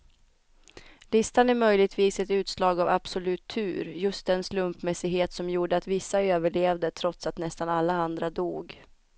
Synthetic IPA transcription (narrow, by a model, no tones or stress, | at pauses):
lɪst̪anæɾmœjlɪɡ̚t̪ʰviːsɛt̪ʉ̟ːt̪slɑːɡava̰b̥sʊlʉ̟ːt̪ʰːʉ̟ːɾjɵst̪̚d̪ɛnslɵmpmɛsɪɡɦeːt̪sɔmjuːɖəat̪vɪsːaøːvəɭeːvd̪ət̪ʰɾɔt̪sat̪nɛst̪analːaand̪ɾad̪uːɡ